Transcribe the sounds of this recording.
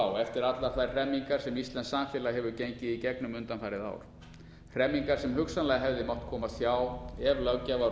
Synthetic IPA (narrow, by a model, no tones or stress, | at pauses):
wɛft̪ɪɾat̪laθajrr̥ɛmːiŋkaɾ̥sɛmist̪lɛnsaːmfjɛːlaɦɛvʏcejɲcɪðicɛknʏmʏnt̪anfajɾɪða̰ːwɾ̥ | r̥ɛmːiŋkaɾ̥sɛmɦʏksanlɛɣaɦɛvðɪmɔwht̪kʰɔːmasjaːwɛvlœɣcava